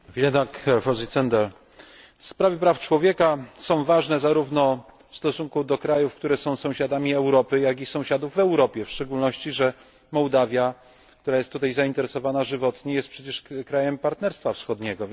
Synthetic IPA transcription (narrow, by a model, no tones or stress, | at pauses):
vʲilɛd̪akɛɾfɔzit̪sɛnd̪ɛɾ | fspɾavʲjɛpɾaft͡ʂwɔvʲjɛkasɔ̃w̃vaʐnɛzaɾuvnɔ | fst̪ɔsuŋkud̪ɔkɾajufkt̪uɾɛsɔ̃w̃sɔ̃w̃ɕad̪amʲiɛwɾɔpɘjaɡʲisɔ̃w̃ɕad̪uvːɛwɾɔpʲjɛfʂt͡ʂɛɡulnɔɕt͡ɕiʐɛ | mɔwd̪avʲja | k̚t̪uɾajɛst̪ːut̪ajzaint̪ɛɾɛsɔvanaʐɘvɔt̪ɲɛjɛst̪̚pʂɛt͡ɕɛʂkɾajɛmpaɾt̪nɛɾst̪fafsxɔd̪ɲɛɡɔ